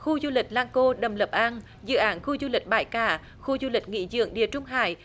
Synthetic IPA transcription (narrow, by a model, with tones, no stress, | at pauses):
xu˧zu˧lï˨˩k̟̚laː˧ŋko˧ɗə˨˩mlə˨˩p̚ʔaː˧n | zɨ̰˧˨ʔaː˨˦nxu˧zu˧lï˨˩k̟̚ɓaː˧˩jkaː˧˩ | xu˧zu˧lï˨˩k̟̚ŋḭ˧˥zɨ̰˧˨əŋɗḭ˧˩ət͡ɕʊ˧ŋ͡mɦa̰ː˧˨j